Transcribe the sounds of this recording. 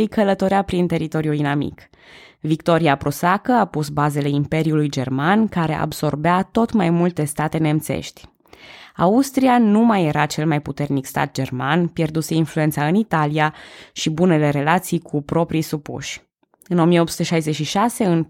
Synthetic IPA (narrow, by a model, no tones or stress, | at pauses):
jkələt̪o̞ɾeapɾint̪e̞ɾit̪o̞ɾjuinamḭk | vikt̪o̞ɾiapɾosakəapusbaze̞le̞impe̞ɾiulujd͡ʒe̞rmankaɾe̞̰ʔa̰bso̞rbeat̪o̞t̪majmult̪e̞st̪at̪e̞ne̞mt̪se̞̰ʃt̪ʲ | a̰ust̪ɾianumaje̞ɾat͡ʃe̞lmajput̪e̞rnikst̪a̰t̪̚d͡ʒe̞rmanpje̞rd̪use̞influe̞nt̪saɨnit̪aliaʃibune̞le̞ɾe̞lat̪sijkʰupɾo̞pɾijsupṵʃʲ | ɨno̞mijeo̞pt̪su̥t̪e̞ʃajze̞t͡ʃʃiʃase̞ɨn